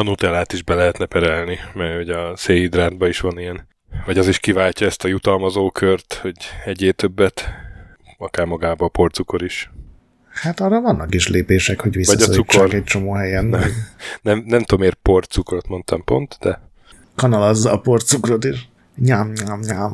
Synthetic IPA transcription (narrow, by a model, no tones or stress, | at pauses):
ɒnut̪ɛlaːt̪iʒbɛlɛɦɛt̪nɛpɛɾɛlnimɛhoɟɒseːjid̪raːd̪bɒiʃʋɒnijɛn | vɒɟɒziʃkivaːcɒɛst̪ɒjut̪ɒlmɒzoːkʰørt̪ho̞ɟɛɟeːt̪øbːɛt̪ | ɒkaːrmɒɡaːbɒːpo̞rt̪suko̞ɾiʃ | hat̪ɒrɒvɒnːɒkiʃleːpeːʃɛkho̞ɟʋisɒɟɒssukt͡ʃːrkɛc̚t͡ʃo̞moːɦɛjɛnɛnɛmnɛmt̪oomeːrpo̞rt̪sukrot̪mo̞nt̪ɒmpo̞̰nt̪d̪ɛ | kɒnɒlɒzːɒːpo̞rt̪sukrot̪iʃ | ɲaːmɲaːmɲaːm